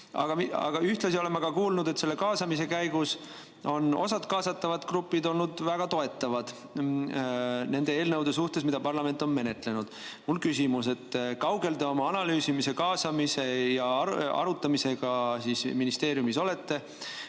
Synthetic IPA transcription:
ɑ̰ɡ̥ɑmiɑ̰ɡ̥ɑyht̪lɑsio̞le̞mːɑɡ̥ɑkuːlnud̪̥ese̞lːe̞kɑːsɑmise̞kæjɡ̥us | o̞no̞̰sɑt̪kɑːsɑt̪ːɑvɑd̪̥krupːˑid̪o̞lnud̪væɡ̥ɑt̪o̞e̞t̪ːˑɑvɑd̪̥ | ne̞nd̪̥e̞e̞ːlnɤwd̪̥e̞s̬uht̪e̞smid̪ɑpɑrlɑme̞nt̪ːˑo̞nme̞ne̞t̪ˑle̞nud̪̥ | mulkysimuse̞t̪ːkɑwɡe̞ld̪eo̞mɑɑnɑlyːsimise̞kɑːsɑmise̞jɑɑ̰ɾut̪ːˑɑmise̞ɡ̥ɑsisminist̪e̞ːɾjumiso̞le̞t̪ːe̞

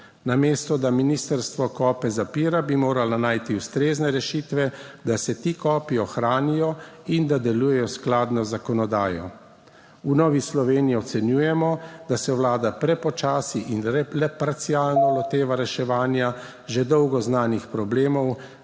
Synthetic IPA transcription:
nameːst̪ɔd̪aminiːst̪əɾst̪ʋɔkɔːpɛzapiːɾabimoːɾalanaːjt̪iust̪ɾeːznɛɾɛʃiːt̪ʋɛd̪asɛt̪ikɔːpiɔxɾaːnijɔind̪ad̪ɛluːjɛjɔsklaːd̪nɔzakɔnɔd̪aːjɔ̰ | unɔːʋislɔʋeːnijɛɔt̪sɛnjuːjɛmɔd̪̥asɛwlaːd̪apɾɛpɔt͡ʃaːsiʔinɾɛlɛpaɾt̪sialnɔlɔt̪eːʋaɾɛʃɛʋaːnja | ʒed̪ɔwɡɔznaːnixpɾɔbleːmɔw

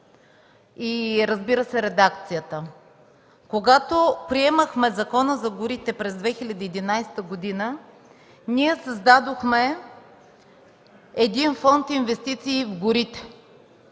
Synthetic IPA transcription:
iɾəzbiɾəsɛɾɛd̪ak̚t̪sijət̪ə | koɡat̪opɾiɛməxmɛzɐkɔnəzɐɡʊɾit̪ɛpɾɛzd̪vɛxilʲɐd̪iːd̪inajst̪əɡod̪inə | niɛsɐzd̪ad̪oxmɛ | ɛd̪infɔnt̪invɛst̪it̪siːvɡʊɾit̪ɛ̥

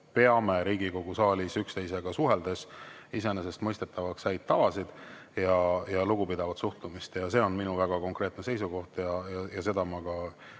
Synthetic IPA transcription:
pe̞ɑme̞ɾiːɡiko̞ɡ̥usɑːlʲisykst̪e̞js̬e̞ɡ̥ɑsuɦe̞ld̪̥e̞s | ise̞nese̞st̪mɤjst̪e̞t̪ːˑɑvɑkshæjd̪̚t̪ːɑvɑsid̪̥ | jɑjɑluɡ̥upid̪ɑvɑt̪suht̪umist̪jɑse̞o̞nminuvæɡ̥ɑko̞ŋkɾe̞ːt̪ne̞se̞jsuɡo̞ht̪jɑjɑjɑse̞d̪ɑmɑɡ̥ɑ

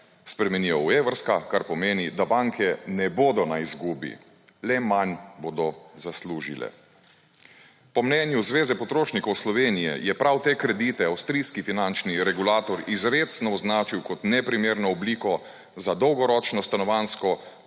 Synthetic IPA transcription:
spɾɛmɛniɔweːʋəɾskakaɾpɔmeːnid̪abaŋkʰɛnɛboːd̪ɔnaizɡuːbḭ | lɛmanbod̪ɔzasluːʒḭlɛ̰ | pɔmnɛːnjuzʋeːzɛpɔt̪ɾoːʃnikɔwslɔʋeːnijɛ̰jɛpɾawt̪eːkɾɛd̪iːt̪ɛawst̪ɾiːskifinant͡ʃniɾɛɡulaːt̪ɔɾizɾet̪snɔɔznaːt͡ʃiwkɔt̪nɛpɾimeːɾnɔɔbliːkɔ | zad̪ɔwɡɔɾɔt͡ʃnɔst̪anɔʋanskɔ

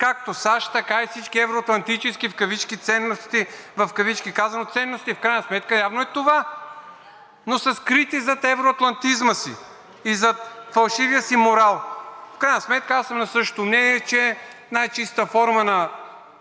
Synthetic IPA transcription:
kak̚t̪osaʃt̪ɐkaifsit͡ʃkʲiɛvɾoɐt̪lˠɐnt̪it͡ʃɛskifkɐvit͡ʃkit̪sɛnːost̪ivɐfkɐvit͡ʃkikazɐnot̪sɛnːost̪ifkɾajnəsmɛt̪kəjavnoɛt̪ova | nosɐskɾit̪izɐt̪ɛvɾoɐt̪lˠɐnt̪izməsḭː | zɐt̪fɐlˠʃiviəsimoɾalˠfkɾajnəsmɛt̪̚kəasɐmnɐsɤʃt̪o̥t̪omnɛniɛt͡ʃɛ | najt͡ʃist̪əfɔɾmənɐ

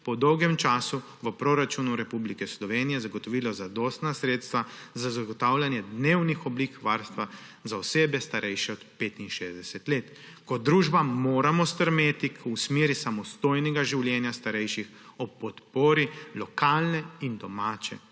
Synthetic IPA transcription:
pɔd̪ɔwɡɛmt͡ʃaːsu | ʋəpɾoɾat͡ʃunuɾɛpublikɛslɔʋeːnijɛzaɡɔt̪ɔʋiːlɔzad̪oːst̪nasɾeːt̪st̪ʋazazaɡɔt̪awlʲjanjɛd̪neːwnixɔbliːkʋaːɾst̪ʋa | zaɔseːbɛst̪aɾʔɛjʃɛɔd̪peːt̪inʃeːzd̪ɛsɛt̪leːt̪ | kɔd̪ːɾuːʒbamoːɾamɔst̪əɾmeːt̪ikʰusmeːɾisamɔst̪oːjnɛɡaʒiwljɛnjast̪aɾɛjʃix | ɔpɔt̪poːɾilɔkaːlnɛind̪ɔmaːt͡ʃɛ̰

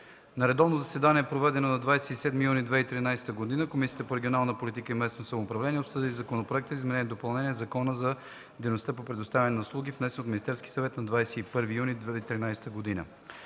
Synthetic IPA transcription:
nɐɾɛd̪ɔvnozɐsɛd̪anʲiɛpɾovɛd̪ɛnonɐd̪vajsɛisɛd̪mijunid̪vɛit̪ɾinajsɛ̥t̪əɡod̪inəkomisijət̪əpoɾɛɡʲionalˠnəpolit̪ikəimɛsnosɐmoːpɾɐvlɛniɛopsɤd̪ʲilizɐkonopɾoɛk̚t̪əzizmɛnɛniɛd̪opɐlˠnɛniɛzɐkɔnəzɐ | d̪ɛjnost̪əpopɾɛd̪ost̪avʲɐnɛnɐʊslˠuɡʲifnɛsɛnot̪minist̪ɛɾski̥sɐvɛt̪nɐd̪vajsɛipɤɾvijunid̪vɛit̪ɾinajsɛ̥t̪əɡod̪inə̰

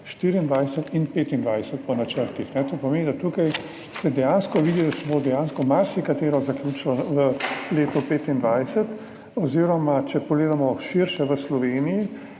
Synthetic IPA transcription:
ʃt̪iɾiːnd̪ʋajsɛt̪inpeːt̪ind̪ʋajsɛt̪pɔnat͡ʃəɾt̪ixnɛt̪oːpɔmeːnid̪at̪uːkaj | sɛd̪ɛjaːnskɔʋiːd̪id̪asɛbod̪ɛjaːnskɔmaɾsikat̪eːɾɔzakljuːt͡ʃlɔʋəleːt̪ɔpeːt̪ind̪ʋajsət̪ | ɔziɾɔmat͡ʃɛpɔɡleːd̪amɔʃiɾʃɛʋəslɔʋeːniji

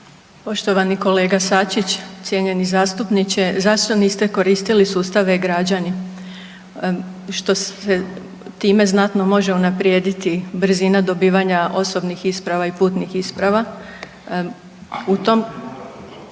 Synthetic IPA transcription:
po̞ʃt̪oʋaniko̞le̞ːɡasat͡ɕit͡ɕt̪sʲje̞ɲe̞nizaːst̪upnit͡ɕezaʃt̪o̞niːst̪e̞ko̞ɾiːst̪ilisuːst̪aʋe̞ɡɾad͡ʑani | ʃt̪o̞se | t̪iːme̞znat̪no̞mo̞ʒeunapɾjed̪it̪ibɾ̩zinad̪o̞biːʋaɲaʔo̞so̞bnixispɾaʋaipuːt̪nixispɾaʋa | ut̪o̞m

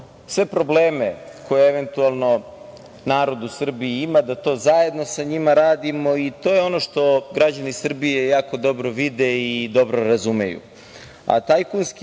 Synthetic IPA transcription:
sʋe̞pɾo̞bleːmekʰo̞jeeʋe̞nt̪ualˠno̞ | naːɾo̞d̪usr̩biiimad̪at̪o̞ːzaje̞d̪no̞saɲimaɾaːd̪imo̞it̪o̞jeo̞noʃt̪o̞ɡɾad͡ʑanisr̩bijejaːko̞d̪o̞bɾo̞ʋid̪eid̪o̞bɾo̞ɾazumḛjṵ | a̰t̪ajkunsk

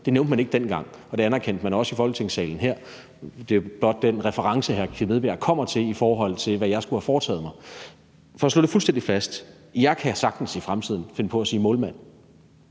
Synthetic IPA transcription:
d̥e̝neʊnd̥mæneɡ̥əd̥enɡ̥ɑ̈ŋ̰ɒ̽d̥e̝ænæɐkʰen̰d̥mænɒ̽səifɒ̽lɡ̥ə̥t͡sʰe̝ŋ̰sɛ̰ːln̩ɦeɐ̰ | d̥e̝b̥lɒ̽d̥ːenʁɛfəʁɑ̈ŋsəɦæɐkʰiʋeð̞ˠb̥ḛɐkʰɒ̽m̰ɐt͡sʰe̝lifɒːɦɒ̽l̰t͡sʰe̝lʋæjɑ̈ɪsɡ̥uhæfɒːt͡sʰɛ̰ːð̞̩ˠmɑ̈ɪ | fɒslo̰ːde̝fulsd̥en̰d̥ifæsd̥ | jɑ̈ɪkʰæsɑ̈ɡ̥d̥n̩sifʁamt͡sʰið̞̰ˠn̩fe̝nəpʰɒ̽æsiːmɔ̽ːlmæn̰

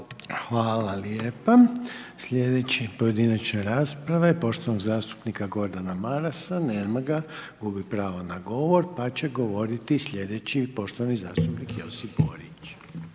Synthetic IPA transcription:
xʋaːlaljeːpasʎʲe̞d̪e̞t͡ɕipo̞je̞d̪inat͡ɕnaɾaːspɾaʋaipo̞ʃt̪oʋanoɡzaːst̪u̥pnikaɡo̞ɾd̪anamaɾasaneɾmaɡaɡubipɾaːʋonaɡo̞ʋo̞ɾpat͡ɕe̞ɡo̞ʋo̞ɾit̪islʲʎʲe̞d̪e̞t͡ɕipo̞ʃt̪oʋanizaːst̪upnikjo̞sipboɾit͡ɕ

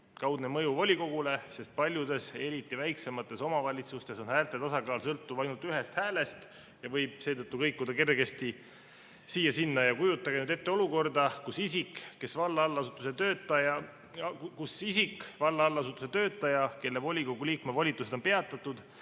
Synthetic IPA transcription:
kɑwd̪̥nemɤjuvo̞lʲiko̞ɡ̥ule̞se̞st̪̚pɑlʲjud̪e̞se̞ɾit̪ˑːivæjkse̞mɑt̪ːˑe̞so̞mɑvɑlʲit̪sust̪e̞so̞nhæːlt̪ˑet̪ɑsɑkɑːlsɤlt̪ːuvɑjnult̪yɦe̞st̪hæːle̞st̪ | jɑvɤjb̥̚se̞ːt̪ɤt̪ːukɤjkːud̪̥ɑke̞rɡe̞st̪i | siːjɑsinːɑjɑkujut̪ˑːɑɡenyd̪e̞t̪ːeo̞luko̞rd̪ɑkusisikːe̞svɑlːɑɑlːɑsut̪ːˑuset̪ø̞ːt̪ːˑɑjɑ | kkusisikːvɑlːɑlːɑsut̪ːˑuse̞t̪ø̞ːt̪ːˑɑjɑke̞lːevo̞lʲiko̞ɡuliːkmevolʲit̪ːˑuse̞d̪ope̞ɑt̪ːˑɑt̪ːˑud̪̥

